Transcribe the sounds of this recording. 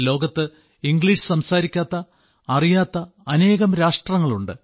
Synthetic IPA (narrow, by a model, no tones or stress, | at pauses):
lo̞ːɡɐt̪ːɨ | iŋɡɭiːʂɨ̥sɐmsaːɾikʲːaːt̪ːɐ | ɐrijaːt̪ːɐ | ɐne̞ːɣɐmɾaːʂʈrɐŋːɐɭuɳɖɨ